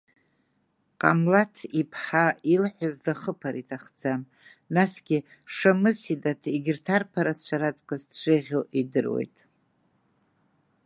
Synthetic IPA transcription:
qʼa̰mlatʰipʰħailħʷazdaχəpʰaɾitʰaχd͡zam | nasɡʲɪ | ʂamɨsidatʰiɡʲɪrtʰarpʰaɾat͡ɕʷʰaɾat͡sʼkʼazʃʷeʁʲoʔidɨrwḛjtʼ

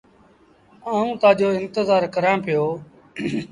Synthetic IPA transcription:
aːũːt̪ãːd͡ʒoːɪnt̪ɪzaːɾkəɾãːpɪjoː

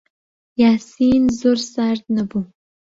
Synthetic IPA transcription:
jaːsijnzorsartʼnabu

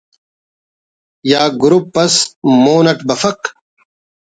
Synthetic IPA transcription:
jaːɡuɾupːɐsmoːnɐʈbɐfɐq

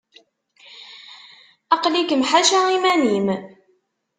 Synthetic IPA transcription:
ɑqlikəmħaʃæimænim

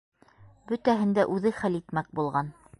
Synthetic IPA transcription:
bɵ̆t̪æɦɘ̆nd̪æʔʉðɘχælit̪mæk̚bulˠʁɑn

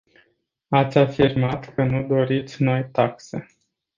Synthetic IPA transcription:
at̪sʲafirmat̪kənud̪o̞ɾit̪sʲno̞jt̪akse̞̰

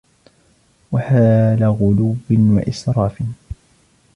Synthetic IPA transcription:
waħaːlaɣʊluwːɪnwa̰ʔɪsɾˤɑːfɪn

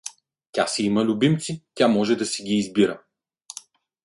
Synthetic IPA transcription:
tʲasɛimɐlʲubimt̪sit̪ʲamɔʒɛd̪ɐsɛɡʲiːzbiɾə

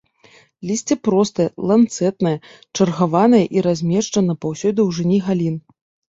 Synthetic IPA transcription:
lʲisʲt͡sʲɛpɾɔst̪ɐjɐlˠant̪sɛt̪nɐjɐ | t͡ʂɐrɣavanɐjɐʔiɾazʲmʲɛʂt͡ʂɐnɐpawsʲɔd̪ɨwʐɨnʲiɣalʲin

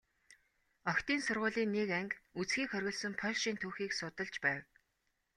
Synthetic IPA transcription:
ɔkt̪iːnsʊrʁʊːɮiːnːekæŋkut͡sxiːkxχœɾʲɣʲɞ̆ɮsə̆mpʰœɮʃiːnt̪ʰuːxiːksʊt̪ə̆ɮt͡ɕpæːw

